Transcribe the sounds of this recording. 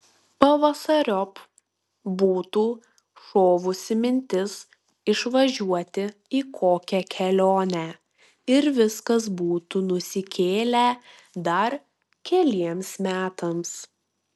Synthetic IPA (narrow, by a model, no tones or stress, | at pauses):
pɐʋɐsɐɾʲɔp | buːt̪uː | ʃoːʋʊsʲɪmʲɪnʲt̪ʲɪs | ɪʃʋɐʒʲuɔt̪ʲɪiːkʰoːkʲɛkʲʰɛlʲoːnʲæ | ɪɾʋʲɪskɐs̬buːt̪unʊsʲɪkʲeːlʲæ | d̪ɐɾ | kʲɛlʲiɛmsmʲæːt̪ɐms